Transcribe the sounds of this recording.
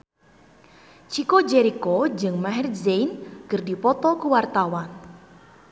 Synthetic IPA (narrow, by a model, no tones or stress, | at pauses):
t͡ʃikod͡ʒeɾikod͡ʒɨŋmaɦɛrzejnkərdipɔt̪ɔkuwart̪awan